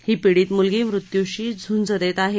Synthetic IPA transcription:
hiːpiɽiːt̪mulɡiːʋɾut̪juɕiːd͡zʱund͡zəd̪et̪aɦe

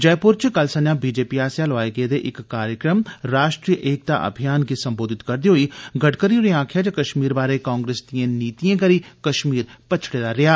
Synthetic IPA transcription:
d͡ʒɛːpʊɾt͡ʃkəlsənjãːbiːd͡ʒeːpiaːsjaːlʋaːeɡed̪eʔɪkːaːɾjəkɾəmɾaːʃʈɾijəʔeːk̚t̪a̰ʔə̰bʱijaːnkisɐ̃mboːd̪ʱɪt̪kɐɾd̪iɦoːiɡʱɐʈkəɾioɾiãːkʰɪjaːd͡ʒakɐʃmiːɾbaːɾekãːŋɡɾeːsd̪iẽniːt̪ijẽːkəɾiːkəʃmiːɾpət͡ʃʰɽeːd̪aɾɪjaː

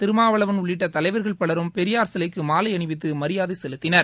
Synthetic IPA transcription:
t̪ɪɾɯmaːʋɐɭɐʋɐnʊɭːɪʈːɐt̪ɐlɐɪʋɐɾɣɐɭpɐɭɐɾɯmpɛɾɪjaːɾsɐlɐɪkːɯmaːlɐɪɐɳɪʋɪt̪̬ːɯmɐɾɪjaːðɐɪsɛlɯt̪ːɪnɐɾ

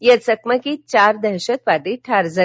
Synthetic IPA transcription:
jət͡səkməkit͡ɕaɾd̪əɾɕət̪ʋaʈiʈʰaɾd͡zə

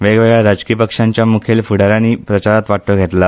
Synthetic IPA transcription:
ʋeɡʋeɡɭaɾad͡ʑkiːpəkʂãɲt͡ɕjamukʰelfuɽaɾaniːpɾət͡ɕaɾat̪ʋaʈoɡʱet̪la

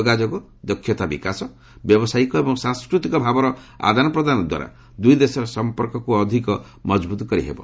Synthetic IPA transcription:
ɔɡad͡ʒɔɡu | d̪ɔkʰːjɔt̪abikasɔ | bjɔbɔsajikɔebɔŋsãŋskɾut̪ikɔbʱabɔɾɔ | a̰d̪ʱanɔpɾɔd̪anɔd̪wa̰ɾa̰ | d̪ujd̪esɔɾɔsɔmpɔɾkɔkuɔd̪ʱikɔ | mɔd͡ʒbut̪ɔkɔɾḭɦḛbɔ̰

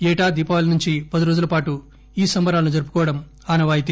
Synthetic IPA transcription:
ɛːʈaːd̪iːpaːɐlɐnuɲt͡ʃipɐd̪iɾo̞ːd͡ʒulɐpaːʈu | iːsɐmbɐɾaːlɐnud͡ʒɐɾup̬u̥kɔːʋɐɽɐm | aːnɐʋaːjit̪̬i

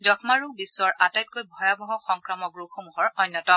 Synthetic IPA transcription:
dɔkʰmaɹubiswɔɹʔatajt̚kojbʱɔjabɔɦɔxɔŋkɹamɔɡɹuxomuɦɔɹɔjnːɔtɔ

